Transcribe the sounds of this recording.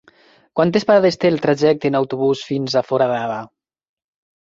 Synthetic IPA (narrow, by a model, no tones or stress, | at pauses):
kwant̪espaɾaðest̪elˠt̪ɾaʒɛk̚t̪enawt̪uβusfinzafɔɾaðaða